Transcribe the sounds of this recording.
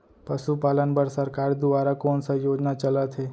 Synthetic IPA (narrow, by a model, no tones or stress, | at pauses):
pəʃupaːlənbəɾsəɾkaːɾd̪ʊʋaːɾakoːnsajoːd͡ʒnat͡ʃələt̪ʰɦeː